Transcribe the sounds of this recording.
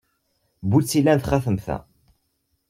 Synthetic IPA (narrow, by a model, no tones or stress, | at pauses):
but͡sːilːænθχæθəmθæ̰